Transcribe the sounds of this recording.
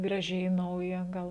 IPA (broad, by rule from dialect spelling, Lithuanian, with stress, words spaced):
ɡrɐˈʒʲɛɪ ˈnɐʊjɛ ˈɡɐlˠ